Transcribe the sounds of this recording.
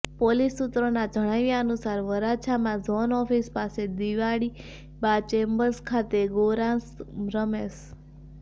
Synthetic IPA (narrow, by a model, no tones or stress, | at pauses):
polisːut̪ɾonad͡ʒəɽ̃ajʋjaənusaɾʋəɾat͡ʃʰamãzɔnɔfispased̪iʋaɽi | bat͡ʃembəɾskʰat̪eɡoɾãnsɾəmes